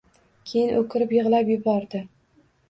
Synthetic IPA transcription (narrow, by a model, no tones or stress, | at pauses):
kʲʰejɪnʔokʲʰɪɾɪpjɨʁlˠapjʊbɒɾd̪ɪ